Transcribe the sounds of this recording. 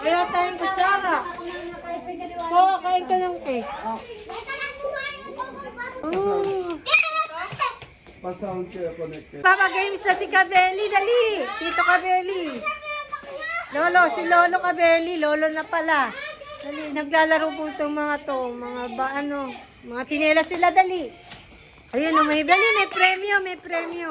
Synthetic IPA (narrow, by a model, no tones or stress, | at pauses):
ʔɐjat̪ajɪŋkʊsaa | kokaɪnt̪ɐnoŋkɛ | ʔo | pɐsaɐnkɛponɛpapɐɡɛjmsnɐsɪkɐbɛːlid̪alit̪iːt̪okɐbɛːli | loːlo̞sɪlo̞ːlo̞kɐbɛːlilo̞ːlo̞nɐpɐla | d̪alinɐɡ̚laːlɐɾowpunt̪omɐŋat̪omɐŋabaʔɐno̞ | mɐŋat̪ɪnɛːlɐsɪlad̪ali | ʔɐjanːʊŋmɐibɐlimɛjpɾɛːmjomɛjpɾɛːmjo